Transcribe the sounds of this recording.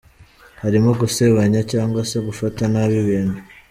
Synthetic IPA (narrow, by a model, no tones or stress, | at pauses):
haɾimoɡuse̞βaɲacaːŋɡwase̞ɡufatanaːβiβiːnu